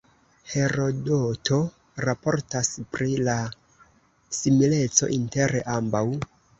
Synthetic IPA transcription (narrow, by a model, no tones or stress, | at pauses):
he̞ɾo̞doto̞ | ɾapo̞ɾtaspɾila | simile̞t͡so̞̰ʔinte̞ɾeʔambaw